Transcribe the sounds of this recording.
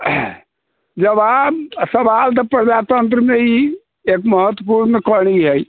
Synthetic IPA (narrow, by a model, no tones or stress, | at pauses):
d͡ʒəbabsəbalt̪̬əpɾəd͡ʒat̪ənt̪̬ɾəmei | ekməɦət̪wəpuɾnkəɽ̃iɦɛj